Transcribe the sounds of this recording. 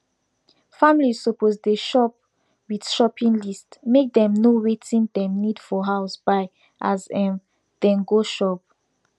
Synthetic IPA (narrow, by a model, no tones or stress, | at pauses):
fãmilizsopozdeʃɔp̚ | wid̥ʃɔpʰĩnlistmek̚dɛ̃mnowetʰĩndɛ̃mnidfɔɦaʊsbaɪ | ʔazɛ̃m | dɛ̃nɡoʃɔp̚